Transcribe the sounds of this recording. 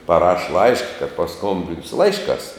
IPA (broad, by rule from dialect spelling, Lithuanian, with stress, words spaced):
pɐˈrɐʃ ˈlˠɐɪʃkɐ kɐt pɐˈskoːmʲbʲɪnʲsʲʊ ˈlˠɐɪʃˌkɑːs